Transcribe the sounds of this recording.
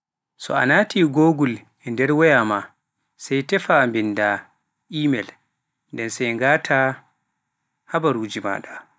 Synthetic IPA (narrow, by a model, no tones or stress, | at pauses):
sɔ̰a̰naːtiːɡoːɡul | ɛndɛɾwɛjama | sɛjtɛfambinda | ʔiːmɛl | ndɛnsɛjŋɡaːtʰa | habaɾud͡ʒima̰ːɗa